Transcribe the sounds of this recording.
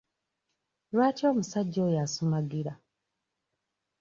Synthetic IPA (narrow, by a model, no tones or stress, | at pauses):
lwaːtio̞ːmusaɟːo̞ːjasumaɡiɾa